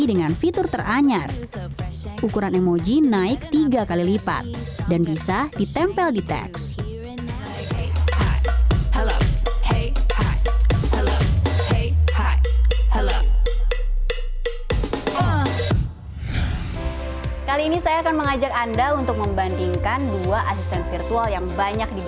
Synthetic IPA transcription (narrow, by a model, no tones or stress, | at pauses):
idəŋanfit̪ʊrt̪ərʔaɲar | ʔukuɾanɛmod͡ʒinaɪk̚t̪iɡakalilipa̰t̪̚danbisad̥it̪ɛmpɛldit̪ɛ̰ks | hl | kaliːnisajaːkanməŋad͡ʒakandaunt̪ʊk̚məmband̪iŋkanduaʔasist̪ɛnfirt̪ualjaŋbaɲak̚di